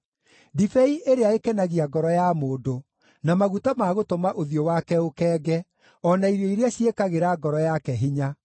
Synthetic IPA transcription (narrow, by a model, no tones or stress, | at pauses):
difɛiʔeɾeaekɛnaɣiaɡɔɾɔjamoːdo | namaɣutamaɣotomaʔoðiowakɛokɛːɡɛ | ɔnaiɾoiɾeaɕjekaɣeɾaɡɔɾɔjakɛɦiɲa